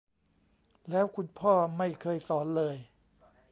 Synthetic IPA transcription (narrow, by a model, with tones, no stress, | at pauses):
lɛː˦˥wkʰu˧npʰɔː˥˩ma˥˩jkʰɤː˧jsɔː˩˦nlɤː˧j